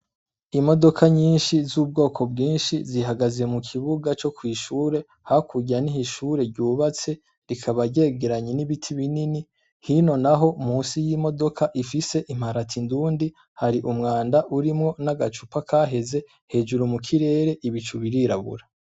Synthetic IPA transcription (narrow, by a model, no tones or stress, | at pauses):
imo̞do̞kʰaɲiːnʃizuːb̚ɡo̞ːkʰo̞bɡiːnʃiziɦaɡaze̞mukʰiβuɡat͡ʃo̞kwiːʃuːɾe̞ | hakʰuɟanihiʃuːɾe̞ɾɟuːβat͡se̞ | ɾikʰaβaɾɟe̞ːɡeɾaɲeniβitʰiβinini | hino̞naɦo̞muːnsijiːmo̞do̞kʰaʔifise̞ʔim̥aɾatʰinduːndi | haɾiʔumŋaːndaʔuɾimŋo̞naɡat͡ʃupakʰaːɦe̞ze̞ | he̞ːd͡ʒuɾumukʰiɾe̞ːɾe̞ʔiβit͡ʃuβiɾiɾaβṵɾa